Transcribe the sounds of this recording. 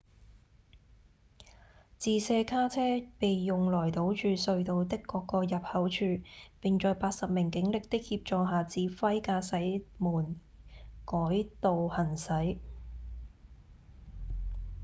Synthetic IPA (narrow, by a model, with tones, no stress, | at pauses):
t͡siː˨˧sɛː˧kʰaː˥t͡sʰɛː˥pe˨jːʊ˨ŋlɔː˨˩jt̪o˨˥wt͡ʃyː˨sɵ˧ɥt̪o˨˧wt̪ɪ˥kːɔː˧kːɔː˧jɐ˨p̚hɐ˨˥wt͡ʃʰyː˧pɪ˨ŋt͡ʃɔː˨˧jpaː˧t̚sɐ˨p̚mɪ˨˩ŋkɪ˨˥ŋlɪ˨k̚t̪ɪ˥k̚hiː˧p̚t͡ʃɔː˨˧ɦaː˨˩t͡siː˨˥fɐ˥jkaː˧sɐ˨˥jmuː˨˩n | kɔː˨˥jt̪o˨whɐ˨˩nsɐ˨˥j